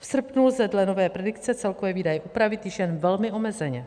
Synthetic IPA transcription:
fsr̩pnulzɛdlɛno̞vɛːpɾɛdɪk̪t͡sɛt͡sɛlkovɛːviːdajɛʔupɾavɪt̪jɪʃjɛnvɛlmɪo̞mɛzɛɲɛ

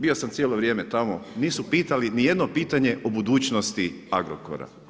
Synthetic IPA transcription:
bio̞samt̪sjeːlˠo̞ʋɾʲje̞ːmet̪amoniːsupiːt̪alinije̞d̪no̞piːt̪aɲe̞ʔobud̪uːt͡ʃnost̪iaɡɾo̰ko̰ɾa̰

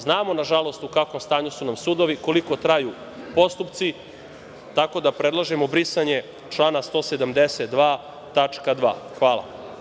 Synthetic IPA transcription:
znaːmo̞naʒalo̞st̪ukakʋo̞mst̪aːɲusunamsud̪o̞ʋiko̞liko̞t̪ɾaju | po̞st̪upt̪si | t̪ako̞d̪apɾe̞d̪lˠaʒemobɾisaɲe | t͡ʃlˠaːnast̪o̞ːsed̪amd̪eset̪̚d̪ʋaː | t̪at͡ʂkad̪ʋa̰ːxʋaːla̰

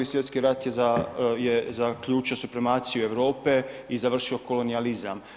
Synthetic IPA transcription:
isje̞t̪skiɾat̪jezajezakʎuːt͡ʃiosupɾemaːt̪sijue̞ʋɾo̞ːpe̞izaʋr̩ʃioko̞lo̞nializa̰m

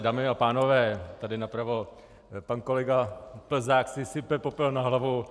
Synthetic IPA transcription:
daːmɪapaːnovɛːt̪adɪnapɾavo | pankolɛɡapl̩zaːksɪsɪpɛpopɛlnaɦlavu

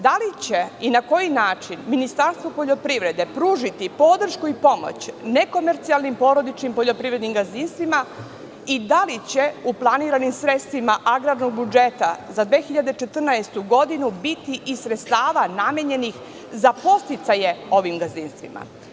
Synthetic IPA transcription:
d̪alit͡ɕeinako̞jinaːt͡ʃinminist̪aɾst̪ʋo̞po̞ʎo̞pɾiʋɾe̞d̪e̞pɾuːʒit̪ipo̞d̪r̩ʃkuipo̞mo̰t͡ɕne̞ko̞me̞ɾt̪sialˠnimpo̞ɾo̞d̪it͡ʃnimpoʎo̞pɾivɾe̞d̪nimɡazinst̪ʋima | id̪alit͡ɕeuplˠaniːɾanimsɾe̞t̪st̪ʋimaʔaɡɾaːd̪no̞ɡbud͡ʒet̪azad̪ʋe̞ːxiʎad̪e̞t͡ʃe̞t̪r̩naest̪uɡo̞d̪inubit̪iʔisɾet̪st̪aːʋanamjeɲe̞nix | zapo̞st̪it̪sajeo̞ʋimɡazinst̪ʋḭmʔa̰

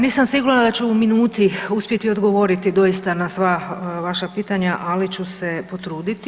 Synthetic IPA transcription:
niːsamsiɡuɾnad̪at͡ɕuuminuːt̪iuspje̞t̪io̞d̪ɡo̞ʋo̞ɾit̪id̪o̞ist̪anasʋaʋaʃapiːt̪aɲaʔalit͡ɕusepo̞t̪ɾuːd̪it̪i

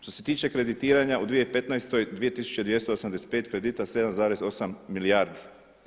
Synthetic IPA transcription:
ʃt̪o̞se̞t̪iːt͡ʃe̞kɾe̞d̪it̪iːɾaɲaʔud̪ʋije̞jpe̞t̪najst̪o̞jd̪ʋije̞t̪isu̥t͡ɕe̞d̪ʋje̞st̪oosamd̪ese̥t̪pe̞ːt̪kɾe̞d̪iːt̪ase̞d̪amzaːɾe̞zo̞samːilijaːɾd̪i̥

